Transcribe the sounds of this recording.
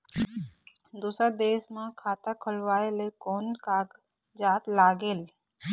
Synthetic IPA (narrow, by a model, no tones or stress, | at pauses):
d̪uːsəd̪eːsmãkʰaːt̪akʰʊlʋaːelekoːnkaɡ | d͡ʒaːt̪laːɡel